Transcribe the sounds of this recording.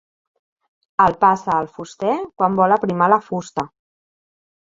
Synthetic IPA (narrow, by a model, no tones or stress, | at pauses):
əlˠpasəːlˠfust̪ɛkwambɔləpɾimaləfust̪ə